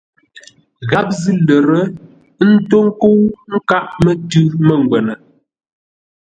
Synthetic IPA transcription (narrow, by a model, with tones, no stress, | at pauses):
ɣa˨˦p̚zi˦lə˨ɾə˦ | n̩˦to˦ŋ˦ko˦wŋ̩˦ka˦ʔmə˦tʉ˦mə˨ŋ˨ɡwɛ˨nə˨